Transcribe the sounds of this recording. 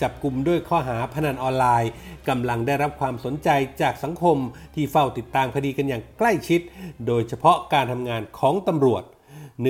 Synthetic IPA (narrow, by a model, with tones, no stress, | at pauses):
t͡ɕa˨˩p̚ku˧mdu˥˩əjkʰɔː˥˩ɦaː˩˦pʰa˧na˧nʔɔː˧nlaː˧jka˧mla˧ŋdaː˥˩jɾa˦˥p̚kʰwaː˧mso˩˦nt͡ɕa˧jt͡ɕaː˨˩k̚sa˩˦ŋkʰo˧mt̪ʰiː˥˩fa˥˩wt̪i˨˩t̪ːaː˧mkʰa˧diː˧ka˧njaː˨˩ŋkla˥˩jt͡ɕʰi˦˥t̪̚doː˧jt͡ɕʰa˧pʰɔ˦˥ʔkaː˧nt̪ʰa˧mŋaː˧nkʰɔː˩˦ŋt̪a˧mɾu˨˩ət̪̚ | n˩